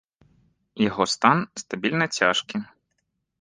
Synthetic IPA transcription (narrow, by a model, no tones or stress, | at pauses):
jɔɦɔst̪ɑnst̪ɐbʲilʲnɛt͡sʲaʃkɪ